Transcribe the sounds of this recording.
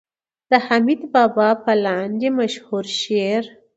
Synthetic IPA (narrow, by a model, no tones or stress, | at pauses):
d̪̥əhamid̪bɑbɑpəlɑnd̪emaʃhuɾʃeɾ